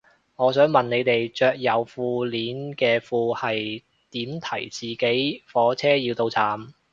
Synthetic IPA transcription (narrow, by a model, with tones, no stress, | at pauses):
ŋɔː˨˧sœː˨˥ŋmɐ˨˩nne˨˧jt̪e˨jt͡ʃœː˧k̚jɐ˨˧wfuː˧liː˨˥nkɛː˧fuː˧hɐ˨j | t̪iː˨˥mt̪ʰɐ̰˨˩jt͡siː˨˩ke˨˥jfɔː˨˥t͡sʰɛː˥jiː˧wt̪o˧wt͡sʰaː˨˥m